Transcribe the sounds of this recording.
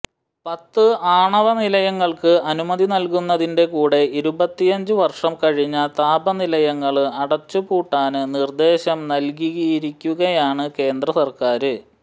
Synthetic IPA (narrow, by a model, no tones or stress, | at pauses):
pɐt̪ːɨaːɳɐʋɐnilɐjɐŋːɐɭkɨɐnumɐðinɐlkunːɐðinde̞kuːɽe̞iɾubɐt̪ːijɐɲd͡ʑɨʋɐrʂɐmkɐɻiɲːɐt̪aːbɐnilɐjɐŋːɐɭɨɐɽɐt͡ɕːupuːʈːaːnɨnird̪e̞ːɕɐmnɐlk̬iɣɐjiɾikʲːuɣɐjaːɳɨke̞ːnd̪rɐsɐrkaːɾɨ